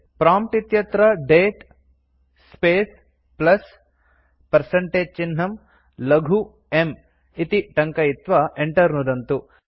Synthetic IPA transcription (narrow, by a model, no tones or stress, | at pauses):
pɾaːmp̚ʈit̪jɐt̪ɾɐɖeːʈ | speːs | plɐs | pɐɾsɐɳʈeːd͡ʒ̚t͡ʃinːɐm | lɐɡʱu | em | it̪iʈɐŋkɐit̪ʋɐeɳʈɐɾnud̪ɐnt̪u